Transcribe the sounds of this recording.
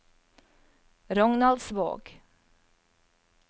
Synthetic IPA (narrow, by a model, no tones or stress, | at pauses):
ɾɔŋnɑld̪sbo̰ːɡ